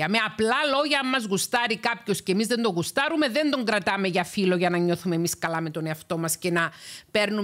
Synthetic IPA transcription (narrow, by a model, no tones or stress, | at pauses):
ɐme̞ɐplɐlo̞ʝɐɐmːɐzɣust̪ɐɾikɐpço̞scemizðe̞nd̪o̞ɣust̪ɐɾume̞ðe̞nd̪o̞ŋɡɾɐt̪ɐme̞ʝɐfilo̞ʝɐnɐɲo̞θumemiskɐlɐme̞t̪o̞ne̞ɐft̪o̞mɐsce̞nɐpe̞ɾnu